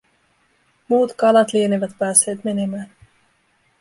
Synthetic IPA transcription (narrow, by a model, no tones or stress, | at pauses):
muːt̪kɑlɑt̪lieniʋæt̪pæːsːe̞ːt̪me̞ne̞mæːn